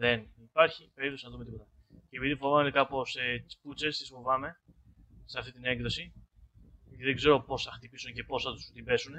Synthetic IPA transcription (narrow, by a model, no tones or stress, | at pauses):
ðenipɐɾçipe̞ɾipθosinɐðumet̪ipot̪ɐ | ceːpiðifovɐmekɐpo̞set͡si̥put͡se̞st̪isfo̞vɐme̞ | seɐft̪it̪ine̞ŋɡðosi | tiðeɡze̞ɾo̞po̞sθɐxt̪ipisunce̞po̞sɐt̪u̥st̪ibe̞sun